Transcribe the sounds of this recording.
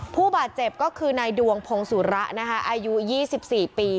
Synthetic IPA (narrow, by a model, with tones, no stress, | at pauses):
pʰuː˥˩baː˨˩t̪̚t͡ɕe˨˩p̚kɔː˥˩kʰɯː˧na˧jdu˧əŋpʰo˧ŋsu˩˦ɾa˦˥ʔna˦˥kʰa˦˥ʔaː˧ju˦˥jiː˥˩si˨˩p̚siː˨˩piː˧